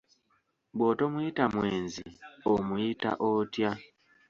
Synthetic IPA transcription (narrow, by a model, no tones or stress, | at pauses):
bwotomuitamwe̞ːnziomuita̰ʔotja